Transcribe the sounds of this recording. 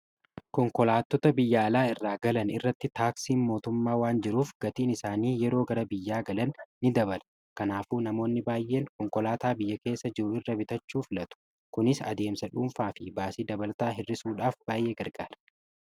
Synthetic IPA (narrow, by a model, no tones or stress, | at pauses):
kɔŋkɔlaːt̪ːɔt̪ɐbɪjːɐːlaːɪrːaːɡɐlɐnɪrːɐt̪ːɪt̪aːksiːnmo̞ːt̪ʊmːaːwaːnd͡ʒɪɾuːfɡ̥ɐt̪iːnɪsaːniːjɛɾo̞ːɡɐɾɐbɪjːaːɡɐlɐnːɪd̪ɐbɐl | kɐnaːfuːnɐmo̞ːnːɪbaːjʔːe̞ːŋkɔŋkɔlaːt̪aːbɪjːɐke̞ːsːɐd͡ʒɪɾʊɪrːɐbɪt̪ɐt͡ʃːuːfɪlɐt̪ʊ̥ | kʊnɪsɐ̰d̪e̞ːmsɐᶑumfaːfɪbaːsiːd̪ɐbɐlt̪aːɦɪrːɪsuːᶑaːfb̥aːjʔeːɡɐɾɡaːɾɐ̥